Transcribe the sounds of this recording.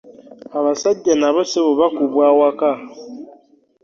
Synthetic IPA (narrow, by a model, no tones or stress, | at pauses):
aβasaɟːanaβoseβoβakuβwawaka